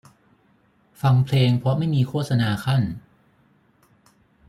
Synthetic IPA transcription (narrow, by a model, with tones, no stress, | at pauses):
fa˧ŋpʰleː˧ŋpʰɾɔ˦˥ma˥˩jmiː˧kʰoː˥˩t̪̚sa˧naː˧kʰa˥˩n